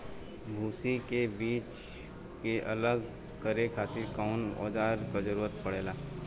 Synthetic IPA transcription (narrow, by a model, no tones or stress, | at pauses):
bʱuːsikebiːt͡ʃ | keʔɐləɡ | kəɾekʰaːt̪iɾkaːnɔ̰ːd͡ʒaːɾkad͡ʒəɾuːɾət̪̚pɐɽeːlaː